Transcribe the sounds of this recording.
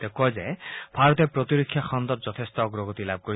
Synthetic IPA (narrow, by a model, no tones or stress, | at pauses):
t̪ekɔzeb̥ʱaɾɔt̪epɾɔt̪iɾɔkʰːjaxɔnd̪ɔt̪̚zɔt̪ʰest̪ɔːɡɾɔɡɔt̪ilab̚ʱkoi